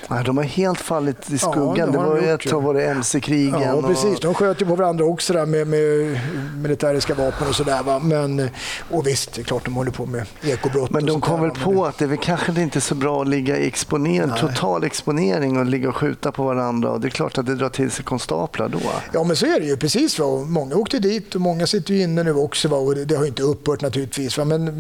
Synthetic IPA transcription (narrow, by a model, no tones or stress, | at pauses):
ɛd̪ɔmhaɾheːlt̪falːɪt̪ɪskɵɡːand̪ɛɔɾjaɑːvoːɾaɛmsɪkʰɾiːɡənɔɾɛsiːsd̪ɔmɧøːt̪əjəpʰɔvaɾand̪ɾaɔksɔd̪æːɾmɛmɛ | mɪlɪt̪ʰæːɾɪskavɑːpənɔsɔd̪æːɾvamɛnɔvɪst̪̚d̪ɛɛkʰlɑːʈ̚d̪ɔmhɔlːəɾpʰɔmɛeːkʊbɾɔt̪mɛnd̪ɔmkʰɔmvɛlpʰɔat̪̚d̪ɛvɛlkʰanɧəd̪ɪnt̪əsɔbɾɑːlɪɡːaɪɛkspʊneːt̪ʰʊɑ̰ːlɛkspʊneːɾɪŋɔlɪɡːaɔɧʉ̟̰ːt̪apʰɔvaɾand̪ɾa̰ɔ̰d̪ɛɛkʰlɑ̰ːʈat̪̚d̪ɛd̪ɾɑːʈʰɪlsɛkʰɔnst̪ɑ̰ːpʰla̰d̪ɔ̰jɑːmɛnsɔæɖɛjɵpʰɾɛsiːsvaɔmɔŋːaoːkt̪əɖiːt̪ɔmɔŋːasɪt̪ːəɾjɵɪnːənʉ̟ːɔksɔvaɔd̪d̪ɛhajʏɪnt̪əɵpːœːʈnat̪ʰʉ̟ːlɪt̪viːsvamɛn